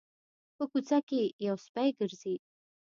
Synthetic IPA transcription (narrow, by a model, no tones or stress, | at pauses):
pəkut͡sakejawspajɡəɾzi